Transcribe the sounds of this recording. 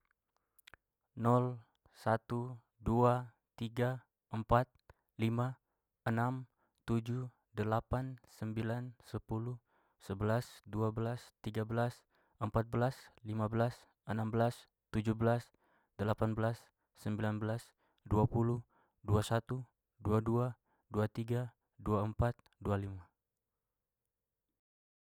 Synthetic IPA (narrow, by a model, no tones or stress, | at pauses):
nɔl | sat̪u | dua | t̪iɡa | əmpat̪̚ | lima | ənam | t̪ud͡ʒu | dəlapansəmbilansəpulu | səbəlasduabəlast̪iɡabəlas | əmpat̪̚bəlaslimabəlas | ʔənambəlas | t̪ud͡ʒubəlas | dəlapanbəlasː | əmbilanbəlas | duapulu | duasat̪u | duadua | duat̪iɡa | duaəmpat̪̚dualima